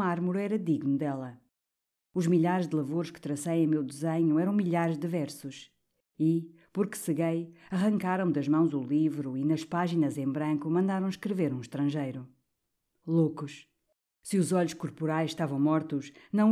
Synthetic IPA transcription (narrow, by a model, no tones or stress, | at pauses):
maɾmuɾuɛɾɐd̪iɣnud̪ɛlˠɐ | uʒmiʎaɾʒd̪ɨlˠɐvoɾʃkɨ̥t̪ɾɐsɐjẽj̃mewd̪ɨzeɲuɛɾɐ̃w̃miʎaɾʒd̪ɨvɛɾsuʃ | i | puɾkɨ̥sɨɣejɐʁɐ̃ŋkaɾɐ̃w̃d̪ɐʒmɐ̃w̃zulˠivɾuinɐʃpaʒinɐzẽbɾɐ̃ŋkumɐ̃nd̪aɾɐ̃w̃ʃkɾɨveɾũʃt̪ɾɐ̃ʒejɾu | lˠokuʃ | sɨuzɔʎuʃkuɾpuɾajzʃt̪avɐ̃w̃mɔɾt̪uʃnɐ̃w̃